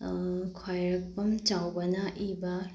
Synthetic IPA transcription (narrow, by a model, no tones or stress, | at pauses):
kʰwajɾɐk̚pɐmt͡ʃawbɐnɐʔibɐ